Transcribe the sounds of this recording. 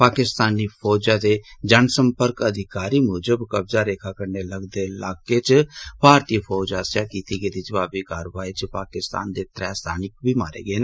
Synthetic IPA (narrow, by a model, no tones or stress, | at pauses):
paːkɪst̪aːniːpʰɔːd͡ʒãːd̪eːd͡ʒənsəmpəɾkəd̪ʱɪkaːɾiːmoːd͡ʒəbkəbzaːɾeːkʰaːkəɾneləɡd̪elaːket͡ʃbʱaːɾt̪iːpʰɔːd͡ʒaːsjaːkiːt̪iːɡeid̪id͡ʒəbaːbiːkaːɾʋaːit͡ʃpaːkɪst̪a̰ːnd̪eːt̪ɾɛːst̪a̰ːnɪkbʱiːmaːɾḛːɡeːnː